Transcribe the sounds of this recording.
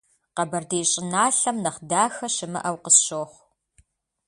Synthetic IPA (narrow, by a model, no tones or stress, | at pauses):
qɐbɐrdejɕʼɪnaːɬɐmnɐχdaːxɐʃɪmɨ̰ʔɐwqəsɕoːχʷ